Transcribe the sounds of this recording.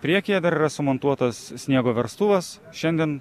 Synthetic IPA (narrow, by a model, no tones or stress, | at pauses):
pʲɾʲiɛkʲɪjɛd̪ɐɾiɾɐsʊmont̪uɔt̪ɐssʲnʲiɛɡoːʋʲɛɾst̪uːʋɐs | ʃʲɛnʲd̪ʲiɛn